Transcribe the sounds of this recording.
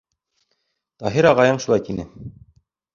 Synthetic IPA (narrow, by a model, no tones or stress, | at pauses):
t̪ɑɦiɾɑʁɑjɤɴʃulˠɑjt̪inɘ